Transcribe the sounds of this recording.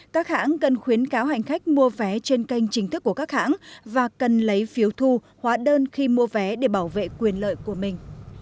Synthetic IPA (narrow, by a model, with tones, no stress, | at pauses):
kaː˦˥k̚ha̰ː˧˥nkə˨˩nxwi˨˦ənkaː˨˦wɦa˨˩jŋ̟xa˦˥k̟̚mu˧əvɛ˨˦t͡ɕe˧nka˧jŋ̟t͡ɕï˨˦ŋ̟t̪ɨ˦˥kːu˧˩əkaː˦˥k̚ha̰ː˧˥nvaː˨˩kə˨˩nlə˨˦jfi˨˦əwt̪ʰu˧ | hwaː˨˦ɗəː˧nxi˧mu˧əvɛ˨˦ɗe˧˩ɓaː˧˩wvḛ˧˨kwi˨˩ənlə̰ː˧˨jku˧˩əmï˨˩ŋ̟